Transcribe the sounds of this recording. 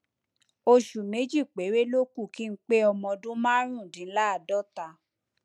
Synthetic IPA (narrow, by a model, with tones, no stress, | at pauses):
o˧ʃu˨nẽ˨˦d͡ʒi˦˨k͡pe˨˦ɾe˦lo˦ku˦˨ki˦n̩˦k͡pe˦ɔ˧mɔ̃˧dũ˦mãː˦ɾ̃ũ˦˨dĩ˨˦la˦a˨dɔ˦ta˧